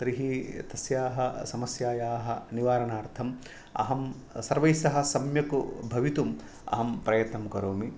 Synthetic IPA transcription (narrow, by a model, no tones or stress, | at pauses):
t̪ɾiɦit̪ɐsjaːɦɐsɐmɐsjaːjaːɦɐniʋaːɾɐnaːɾt̪ʰɐm | ɐ̰ɦɐm | sɐɾʋɐjsɐɦɐ̆sɐmjɐkṵbʱɐʋit̪um | ɐ̰ɦɐmpɾɐjɐt̪nɐmkɐɾoːmi